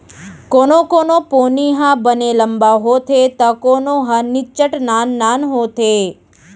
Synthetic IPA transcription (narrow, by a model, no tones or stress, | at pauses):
konokonoponiɦãbəneləmbaɦot̪ʰet̪əkonoɦãnit͡ʃəʈnanːanɦot̪ʰe